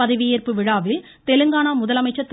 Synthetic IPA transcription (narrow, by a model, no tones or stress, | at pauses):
ɐðɐʋɪjɪrpɯʋɪɻaːʋɪl | t̪ɛlɯŋɡaːɳaːmʊðɐlɐmɐɪt͡ʃːɐt̪ː